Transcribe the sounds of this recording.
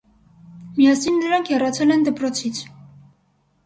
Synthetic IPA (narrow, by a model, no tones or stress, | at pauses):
mijɑsinːəɾɑŋkʰjɛrɑt͡sʰɛlɛnd̪əpɾɔt͡sʰit͡sʰ